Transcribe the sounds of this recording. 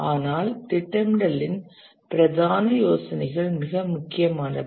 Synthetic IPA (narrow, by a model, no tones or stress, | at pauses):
aːnaːlt̪ɪʈːɐmɽɐlɪn | pɪɾɐd̪aːnɐjoːsɐnɐɪɣɐɭmɪɣɐmʊkːɪjɐmaːnɐ